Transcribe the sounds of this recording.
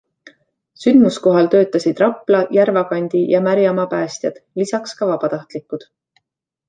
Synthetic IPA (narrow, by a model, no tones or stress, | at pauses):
synd̪̥musko̞ɦɑlt̪ø̞ːt̪ːˑɑsid̪̥rɑpːˑlɑjæɾvɑkɑnʲd̪̥ijɑmæɾjɑmɑpæːst̪jɑd̪̥lisɑkskɑvɑb̥ɑt̪ɑht̪likːud̪̥